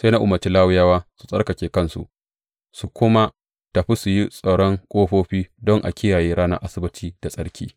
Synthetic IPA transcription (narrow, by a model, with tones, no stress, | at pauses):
se˦na˦ʔʊ˦mɐ˨t͡ʃi˦laː˦wʊ˦jaː˦waː˦su̥˨sʼɐ˦rkɐ˨kʲeː˨kɐ˦nsṵ˨ʔ | su˨kʷʊ˦ma˦ | tɐ˨ɸi˦su˨ji˦sʼa˨ɽɔ˦ŋkʷʼoː˦ɸoː˦ɸiː˦dɔ˦ŋʔa̰˨kʲɪ˦jaː˨jeː˦ɾaː˦nɐ̰˦ʔa˦sɪ˦bɪ˦tʰiː˦d̥a˨sʼɐ˦ɽkʲiː˦